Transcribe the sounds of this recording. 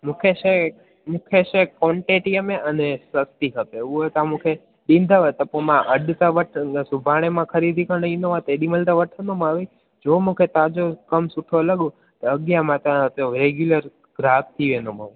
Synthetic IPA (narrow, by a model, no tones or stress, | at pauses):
mũkʰeʃe | mũkʰeʃekoɳʈeʈiəmeʔənesəst̪ikʰəpeʋuot̪ãmũkʰe | ɗĩnd̪ʱaʋət̪əpomãʔəɖt̪aʋəʈʰsubʱaɽ̃emãkʰəɾid̪ʱikənəinoʋãt̪eɗiməlt̪aʋəʈʰənomãʋi | d͡ʒomũkʰet̪ad͡ʒokəmsuʈʰolaɡũ | t̪eəɡjamãt̪ãt̪oɾeɡjuləɾ | ɡɾab̚ʰt̪ʰiʋenoma̰ʋ̃